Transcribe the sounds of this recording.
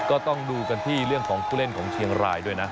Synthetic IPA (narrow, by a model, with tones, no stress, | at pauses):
kɔː˥˩t̪ɔ˥˩ŋduː˧ka˧nt̪ʰiː˥˩ɾɯ˥˩əŋkʰɔː˩˦ŋpʰuː˥˩le˥˩nkʰɔː˩˦ŋt͡ɕʰi˧əŋɾaː˧jdu˥˩əjna˦˥